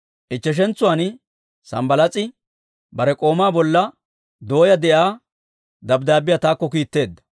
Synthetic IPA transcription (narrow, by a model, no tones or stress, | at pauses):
ʔɪt͡ʃːɛʃ̬ɛnt͡sʊwaːnɪ | sɐ̰mbɐlɐt͡sʼɪ | bɐɾɛkʼo̞ːmaːbɔlːɐ | d̪o̞ːjɐd̪ɛʔaː | d̪ɐbd̪aːbɪjat̪aːkːɔkiːt̪ːe̞ːd̪ːɐ̥